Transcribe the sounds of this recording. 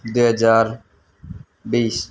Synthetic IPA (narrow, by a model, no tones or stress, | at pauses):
d̪oːɦəd͡ʒaːɾ | biːs